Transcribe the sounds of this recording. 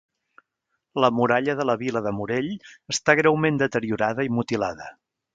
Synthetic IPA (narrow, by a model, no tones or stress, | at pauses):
ləmuɾaʎəðələβiləðəmuɾeʎəst̪aɣ̞ɾɛwmend̪ət̪əɾiuɾaðəimut̪ilaðə